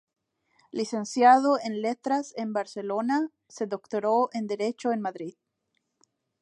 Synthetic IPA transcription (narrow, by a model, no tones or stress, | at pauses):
lise̞nsjaðoenlet̪ɾase̞mbaɾse̞lona | seðo̞kt̪oɾoʔend̪e̞ɾe̞t͡ʃoenmaðɾið